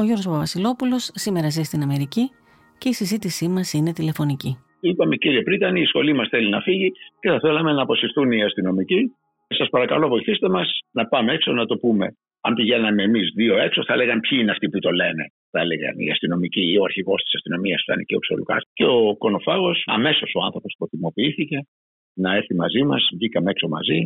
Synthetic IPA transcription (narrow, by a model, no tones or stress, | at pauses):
o̞jʝo̞ɾɣos̬poɐvɐsilo̞pulo̞sːime̞ɾɐzist̪inɐme̞ɾici | ce̞isizit̪isimɐsine̞t̪ile̞fo̞nici | ipɐme̞ciɾiepɾit̪ɐniːisxo̞limɐsθe̞linɐfiʝice̞θɐθe̞lɐme̞nɐpo̞sifθuniɐst̪ino̞mici | sɐspɐɾɐkɐlovo̞jiθist̪e̞mɐsnɐpɐmeekso̞nɐt̪o̞pume̞̰ | ɐmpiʝe̞nɐme̞ːmizðio̞e̞kso̞θɐele̞ɣɐmpçiineɐft̪iput̪o̞le̞ne̞ | θɐele̞ɣɐ̰nḭɐ̰st̪ino̞micioɐɾçiɣo̞st̪i̥sɐst̪ino̞miɐsft̪ɐ̰niceokso̞̰lukɐ̰sce̞oko̞no̞fɐɣo̞sɐ̰me̞so̞so̞ɐ̰nθɾo̞po̞spoθt̪imo̞piiθice̞ | nɐe̞ɾθimɐzimɐ̰zʝikɐmee̞kso̞mɐ̰zi